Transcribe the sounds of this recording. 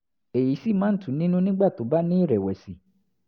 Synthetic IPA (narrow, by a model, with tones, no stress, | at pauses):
e˨ji˨˦si˦˨mãː˨˦n̩˦tũ˨˦nĩ˦nũ˦nĩ˦ɡ͡ba˦˨to˨˦ba˦nĩ˦i˦˨ɾɛ˨wɛ˨si˨˦